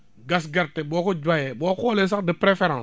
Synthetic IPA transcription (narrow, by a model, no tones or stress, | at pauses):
ɡas̬ɡaɾtebɔkod͡ʒwajɛbɔːkɔles̬akdəpɾefeɾãs